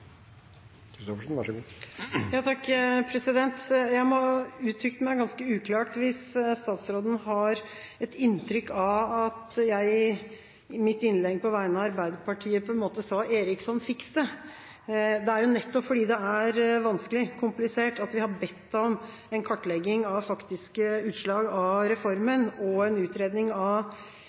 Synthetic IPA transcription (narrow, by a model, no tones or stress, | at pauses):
sɔfʂnʋæʂɔɡuːjɑːt̪ʰɑkːpʰɾɛsɪd̪ɛnt̪jæɪmɔʉːt̪ʰɾʏkt̪əmæɪɡɑnskəʉːkʰlɑːʈʋɪsst̪ɑːt̪sɾoːd̪n̩ɦɑɾ | ɛt̪ɪnːt̪ʰɾʏkːɑʋɑt̪jæɪ | mɪt̪ːɪnlɛɡpʰɔʋæɪənɑɑɾbæɪd̪əpɑʈʰiːəpʰɔɛnmoːt̪əsɑːʔeːɾɪksɔnfɪkst̪ə | d̪ɛæɾjʊnɛt̪ːɔpfɔɖiːd̪ɛæɾʋɑnskəlɪkʰʊmplɪseːʈɑt̪ʋɪhɑbɛt̪ːɔm | ɛnkʰɑʈːlɛɡːɪŋɑʋfɑkt̪ɪskəʉːt̪ʂɭɑːɡɑɾɛfɔɾmənɔɛnʉːt̪ɾeːd̪nɪŋɑ